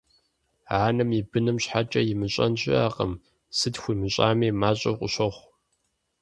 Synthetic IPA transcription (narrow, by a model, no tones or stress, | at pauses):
aːnɨmibɨnɨmɕħat͡ʃʼɐjɪmɨɕʼɐnʑʼɪ̰aːqʼə̰m | sɨtxʷiːmɨɕʼaːmiːmaːɕʼɐ̰qʷʼʊɕɐχʷ